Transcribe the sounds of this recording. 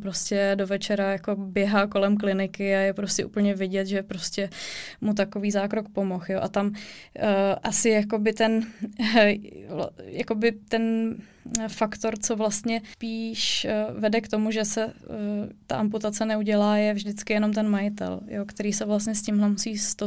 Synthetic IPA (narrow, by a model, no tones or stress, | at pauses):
pɾo̞scɛdo̞vɛt͡ʃɛɾajako̞bjɛɦaːko̞lɛmk̬lɪnɪkɪajɛpɾo̞scʲɛʔṵpl̩ɲɛvɪɟɛt̪ʒɛpɾoscɛmut̪̬ako̞viːzaːkɾokpo̞mo̞xjoʔat̪am | ʔasɪjako̞bɪt̪ɛn | jako̞bɪt̪ɛn | fakt̪o̞ɾt͡so̞vlast̪ɲɛpiːʃvɛdɛkt̪o̞muʒɛsɛ | t̪a̰ʔamput̪at͡sɛnɛuɟɛlaːjɛvʒdɪt͡skɪjɛno̞mt̪ɛnmajɪt̪ɛ̰ljokt̪ɛɾiːsɛvlastɲɛscɪmɦlɛmusiːst̪o